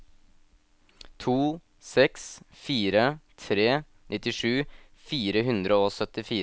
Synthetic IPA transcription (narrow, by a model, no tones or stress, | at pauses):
t̪ʰuː | sɛksfiːɾət̪ʰɾeː | nʔɪt̪ɪʂʉːfiːɾəɦʉnd̪ɾəoːsœt̪ɪfiː